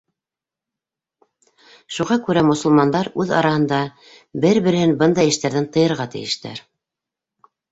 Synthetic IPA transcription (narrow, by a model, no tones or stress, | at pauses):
ʃuʁɑkʉɾæmŏsɤ̆lˠmɑnd̪ɑɾʉðɑ̰ɾɑhɤ̆nd̪ɑ | bɘɾβɘ̆ɾɘ̆hɘnbɤnd̪ɑjɘ̆ʃt̪æɾðænt̪ɤ̆jɤ̆ɾʁɑt̪ɘ̰̆jɘ̆ʃt̪æ̰ɾ